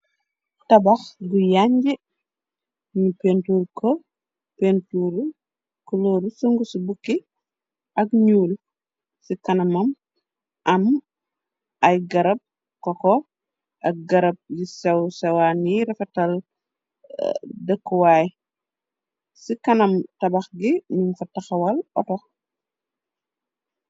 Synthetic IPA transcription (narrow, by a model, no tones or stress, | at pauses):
tɐbɐxɡujaɲɟi | ɲupentuːɾkɔ | pentuːɾu | kɔlɔːɾusuŋɡusubukːi | ɐkɲuːl | sikɐnɐmɐm | ʔɐm | ɐjɡɐɾɐp̚ | kɔkɔ | ʔɐk̚ɡɐɾɐb̚jisɛwsɛwaniɾɛfɐtɐl | dɛkːɔwaːj | sikɐnɐmtɐbɐxɡinuŋfɐtɐxɐwɐlɔtɔx